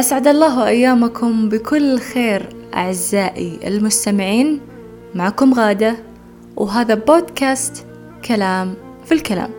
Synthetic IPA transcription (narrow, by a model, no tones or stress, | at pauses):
ʔasʕad̪ɑlˤːɑːɦwʔajːaːmakʰʊmbɪkʊlːxeːɾ | ʔa̰ʕɪzːaːʔiɪ̰lmʊst̪amɪʕiːn | maʕaːkʊmɣaːd̪a | wɦaːðaboːd̪kaːst̪ | kʰalaːm | filkala̰ːm